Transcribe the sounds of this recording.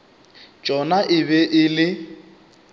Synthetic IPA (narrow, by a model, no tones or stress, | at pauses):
d͡ʒʼɔnaʔɪbɛʔɪlɪ